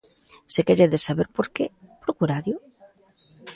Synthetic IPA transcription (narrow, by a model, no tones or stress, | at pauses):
sekeɾeðesaβeɾpoɾkepɾokuɾaðjo